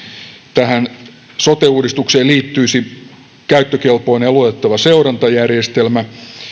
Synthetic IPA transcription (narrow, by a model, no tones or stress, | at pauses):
t̪æɦæn | sot̪euːdist̪ukseːliːt̪ːyisi | kæyt̪ːøkelpo̞inelut̪et̪ːɑʋɑseurɑnt̪ɑjærjest̪elmæ